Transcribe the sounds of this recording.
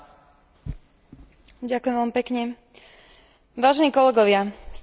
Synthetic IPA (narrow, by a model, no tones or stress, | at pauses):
ɟakʊjɛmʋɛlmipɛkɲɛ | ʋaːʒɛniːkɔlɛɡɔʋɪas